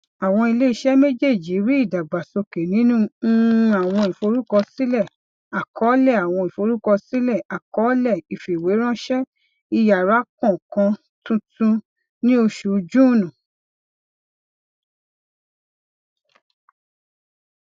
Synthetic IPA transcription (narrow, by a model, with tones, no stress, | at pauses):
a˨w̃ɔ̃˧i˧le˦i˧˦ʃɛ˦me˦d͡ʒe˦˨d͡ʒi˨˦ɾi˦i˦˨da˨ɡ͡ba˨so˧ke˨nĩ˨˦nũ˦˧a˨w̃ɔ̃˧i˨fo˧ɾu˦kɔ˧si˦lɛ˦˨ | a˨kʰɔ˨˦lɛ˦˨a˨w̃ɔ̃˧i˨fo˧ɾu˦kɔ˧si˦lɛ˦˨a˨kɔ˨˦lɛ˦˨i˨fe˨we˨˦ɾ̃ã˦ʃɛ˦ | i˧ja˨ɾa˨˦kɔ̃˦˨kã˧ | tũ˧˦tũ˧ | nĩ˦o˧ʃu˨˧d͡ʒũ˦˨nũ˨